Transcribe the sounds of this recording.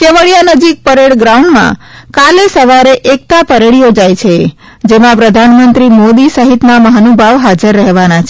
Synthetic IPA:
keʋəɭijanəd͡ʒik̚pəɾeɭɡɾauɳɖmã̰kalesəʋaɾeʔek̚t̪apəɾeɭijod͡ʒajt͡ʃʰe | d͡ʒemãpɾəd̪ʱanmənt̪ɾimod̪isəɦit̪naməɦanubʱaʋɦad͡ʒəɾːəɦeʋanat͡ʃʰe̥

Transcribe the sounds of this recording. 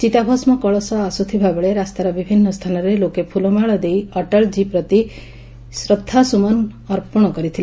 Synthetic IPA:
t͡ʃit̪abʱɔsmɔkɔɭɔsɔasut̪ʰibʱabɔɭeɾast̪aɾɔbibʱinːɔst̪ʰanɔɾelokepʰulɔmaɭɔd̪ejɔʈɔɭd͡ʒipɾɔt̪i | sɾɔt̪ʰːasumɔnɔɾpɔɽ̃ɔkɔɾit̪ʰila

